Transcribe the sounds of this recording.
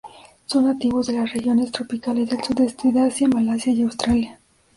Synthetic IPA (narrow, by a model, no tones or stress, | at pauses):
so̞nːat̪iβozðe̞lasrexjo̞nest̪ɾopikalezðelsuðest̪iðasjamalasjajawst̪ɾalja